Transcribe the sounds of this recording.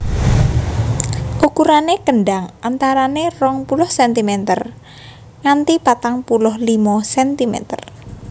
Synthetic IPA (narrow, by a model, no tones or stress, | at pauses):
ʔukuɾanekəɳɖaŋʔant̪aɾanerɔŋpulʊhsɛnt̪imɛt̪ə̰r | ŋant̪ipat̪aŋpulʊhlimɔsɛnt̪imɛ̰t̪ə̰r